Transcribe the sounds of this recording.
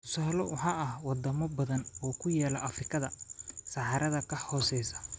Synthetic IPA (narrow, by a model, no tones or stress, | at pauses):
t̪ʰʊ̥saːlɔwɑħɑːɐhwɑd̪ɐmɔbɐðɐnɔːkʰʊjɛːlɐʔɐfrɪkʰɐðɐsɑħɑɾɐðɐkʰɐhɔːsɛjsɐ̥